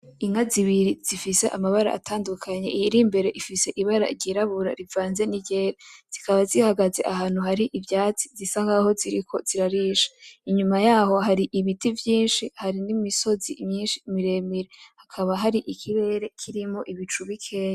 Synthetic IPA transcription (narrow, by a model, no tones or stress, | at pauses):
iŋaziβiɾiz̥ifise̞ʔamaβaɾa̰ʔa̰tʰaːndukʰaɲe̞ijiɾimbe̞ɾe̞ʔifise̞ʔiβaɾa̰ɟiɾaβuɾa̰ɾivaːnze̞niɟeɾez̥ikaβazihaɡaze̞ʔaɦaːn̥uhaɾiʔivjaːt͡si̥zisaŋɡaho̞ziɾikʰo̞z̥iɾaɾiːʃḁiɲumajaːho̞ɦaɾiʔiβitivjiːnʃihaɾinimiso̞zimɲiːnʃimiɾe̞miɾehakʰaβaɦaɾiʔikʰiβe̞ɾe̞kʰiɾimo̞ʔiβit͡ʃuβikʰe̞ːa